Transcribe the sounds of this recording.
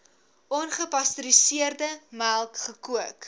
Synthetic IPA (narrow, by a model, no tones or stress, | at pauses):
ʔɔnχəpɐstəɾisiərdəmælˠkχəkuək